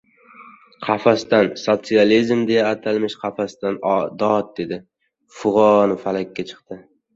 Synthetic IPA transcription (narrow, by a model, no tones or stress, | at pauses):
qʰɑfast̪ansot̪sijalizmd̪e̞jaːt̪ʰalmɪʃqʰɑfast̪and̪ɒt̪̚d̪e̞d̪ɪ | fʊʁɒnɪfalakʲːat͡ʃʰɨ̥qt̪ɪ